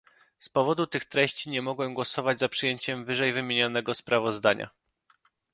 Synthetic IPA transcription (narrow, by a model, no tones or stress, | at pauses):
spɔvɔd̪ut̪ɘxt̪ɾɛɕt͡ɕiɲɛmɔɡwɛɡwɔsɔvad͡ʑzapʂɘjeɲt͡ɕɛmvɘʐɛjvɘmʲjeɲɔnɛɡɔspɾavɔzd̪aɲʔa̰